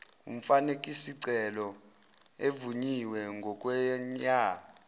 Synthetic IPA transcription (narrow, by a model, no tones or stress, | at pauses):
um̩fanekʼisiǀɛlɔ | evuɲiwɛŋɡʱɔk̬ʼwɛɲaː